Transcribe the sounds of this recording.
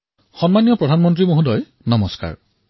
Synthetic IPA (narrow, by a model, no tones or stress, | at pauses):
xɔnmanijɔpɹɔdʱanmɔntɹimoɦudɔj | nɔmɔska̰ɹ